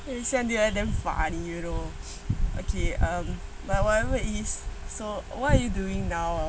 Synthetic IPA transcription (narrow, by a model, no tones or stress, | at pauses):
ɛisɛ̃nuɛt̚dɛ̃ɱfã̰njuno | ʔokʰeʌ̃m | bawɔtɛvəitissowɔtajuduĩŋnaw